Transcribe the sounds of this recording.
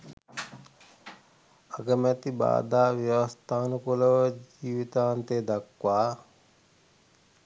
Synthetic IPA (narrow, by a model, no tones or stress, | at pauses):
aɡəmæt̪iba̰ːd̪aːʋjɐʋɐst̪ʰaːnukuləʋəd͡ʒiːʋit̪aːnt̪eːd̪akʋaː